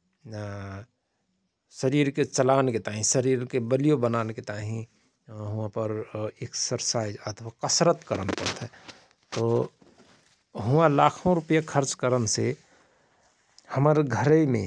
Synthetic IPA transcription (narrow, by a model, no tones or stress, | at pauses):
səɾiːɾket͡ʃəlaːneket̪aːɦĩsəɾiːɾkebəlijobənaːneket̪aːɦĩ | ɦʊãpəɾeksəɾsaːzət̪ʰwakəsɾət̪kəɾəmpəɾt̪ɦɛ | t̪o | ɦʊʋãlaːkʰõɾʊpəjakʰəɾt͡ʃkəɾənse | həməɾɡʱəɾemḛ̃